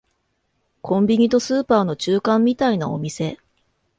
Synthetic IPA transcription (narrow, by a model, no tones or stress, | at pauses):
kʰõ̞mbʲiɲ̟it̪o̞sɨːpaːno̞t͡ɕɨːkãmːʲit̪ainao̞̰mʲise̞